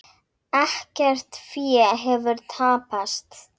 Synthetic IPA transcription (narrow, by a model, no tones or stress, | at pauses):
ɛhcɛr̥t̪fjɛɦɛvʏɾt̪ʰaːpast̪